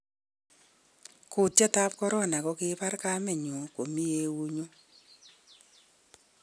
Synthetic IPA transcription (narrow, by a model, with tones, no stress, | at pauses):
kʊ˨tja˦ta˦p̚kɔ˦ɾɔ˦˨na˨kɔ˦kɪ˦pa˦rka˦mɛ˨ɲo˨ko˨mi˦e˦wu˦ɲo˦